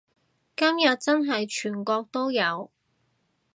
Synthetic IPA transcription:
kɐ˥mjɐ˨t̚t͡sɐ˥nɦɐ˨jt͡ʃʰyː˨˩nkɔː˧k̚t̪o˥wjɐ˨˧w

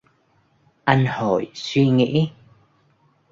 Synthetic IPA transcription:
ʔa˧nho̰˧˩˨jswi˧ŋḭ˧˥

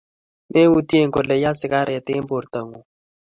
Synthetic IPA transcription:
me˦wu˦tje˦ŋɡo˨lɛ˨ja˦sɪ˦ka˦ɾʔa˨tɪ˦mbo˨ɾt̪a˨ŋu˨

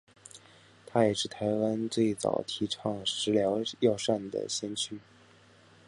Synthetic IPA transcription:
t̪ʰa˥jɛ˨˩ʂɻ̩˥˩t̪ʰa˧˥ɪwa˥nt͡swe˥˩ɪt͡sɑ̰˨˩ʊt̪ʰi˧˥ʈ͡ʂʰɑ˥˩ŋʂɻ̩˧˥ljɑ˧˥ʊjɑ˥˧ʊʂa˥˩nd̪ə̰˩ɕjɛ˥nt͡ɕʰy˥

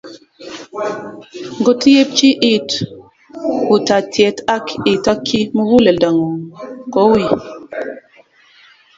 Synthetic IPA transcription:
ŋ˨ɡo˦ti˦je˦p̚t͡ʃi˦ʔi˦˨t | wu˨ta˨tʰjɛ˨˦ta˦ki˨ta˦kʰːi˦mə˦wu˦le˨da˨ŋu˨kɔ˨˦wi˨

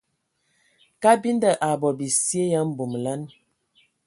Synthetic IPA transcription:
ka˦bi˦n˦də˨ʔa˨bɔ˨bi˨si˦e˦ja˦m̩˦˨bo˨m˨la˦n

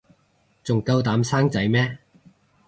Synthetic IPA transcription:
t͡sʊ˨ŋkɐ˧wt̪aː˨˥msaː˥ŋt͡sɐ˨˥jmɛː˥

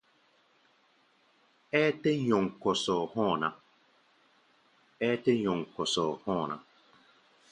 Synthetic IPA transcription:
e˦te˦ɲɔ˨ŋ̩˨kɔ˨sɔ˨hɔ˦˨na˦ | e˦te˦ɲɔ˨ŋ̩˨kɔ˨sɔ˨hɔ˦˨na̰˨

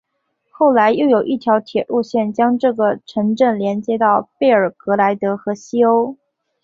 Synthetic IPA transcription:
xo˥˩ʊla˧˥ɪjo˥˩ʊjo˨˩ʊʔi˥˩t̪ʰjɑ˧˥ʊt̪ʰjɛ˨˩lʔu˥˧ɕjɛ˥˩nt͡ɕjɑ˥ŋʈ͡ʂɤ˥˩ɡə˩ʈ͡ʂʰɤ˧˥ŋʈ͡ʂɤ˥˩nljɛ˧˥nt͡ɕjɛ˥t̪ɑ˥˧ʊpe˥˩ɪə˞˨˩kɤ˧˥la˧˥ɪt̪ɤ˧˥xɤ˧˥ɕi˥o˥ʊ

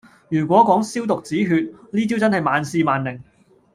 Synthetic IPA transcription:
jyː˨˩k̬ʷɔː˨˥kɔː˨˥ŋsiː˥wt̪ʊ˨k̚t͡siː˨˥ɦyː˧t̚liː˥t͡siː˥wt͡sɐ˥nhɐ˨jmaː˨˧nsiː˧maː˨nlɪ˨˩ŋ

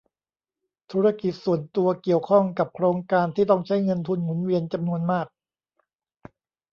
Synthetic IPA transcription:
t̪ʰuː˦˥ɾa˧ki˨˩t̪̚su˨˩ənt̪u˧ɐki˨˩əwkʰɔ˥˩ŋka˨˩p̚kʰɾoː˧ŋkaː˧nt̪ʰiː˥˩t̪ɔ˥˩ŋt͡ɕʰa˦˥˩jŋɤ˧nt̪ʰu˧nŋu˩˦nwi˧ənt͡ɕa˧mnu˧ənmaː˥˩k̚

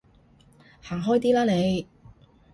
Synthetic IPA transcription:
haː˨˩ŋɦɔː˥jt̪iː˥laː˥ne˨˧j

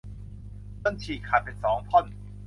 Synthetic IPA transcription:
bɤ˧˩˨nt͡ɕʰiː˨˩kʰaː˨˩pe˨˩nsɔː˩˦ŋpʰɔ˥˩n

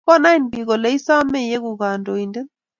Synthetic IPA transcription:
kɔ˦˨na˦i˨nbi˨ɣɔ˨lɛ˨˦i˦sa˦mɛ˦˨jɛ˦ku˨ɣa˨ndɔ˨i˨ndɛ˦n

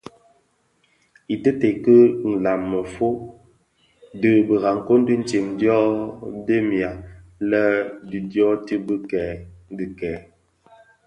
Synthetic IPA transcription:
i˨tə˦te˨kə˦n̩˨la˨mːə˨fo˦ | də˦bə˨ɣa˨ŋ̩˨ko˦n˦də˦n̩˦t͡ʃi˨mdjɔ˦de˦mja˨lə˦di˨djɔ˦ti˦bə˦kɛ˨˦n˦di˨kɛː˨˦

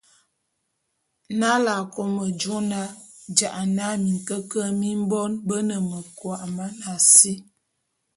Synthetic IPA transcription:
na˦la˨ko˦mə˨d͡ʒo˦na˦d͡ʒa˨ʔa˨na˦mi˨ŋ˨kə˦kə˦mi˦m˦bɔ˦nbə˦nə˨mə˨kwa˨ʔma˦na˨si˦

